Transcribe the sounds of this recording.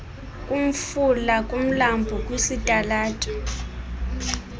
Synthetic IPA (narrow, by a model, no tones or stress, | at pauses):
kʼum̩fulakʼum̩lambʱukʼwisitʼalaːtʼɛ̥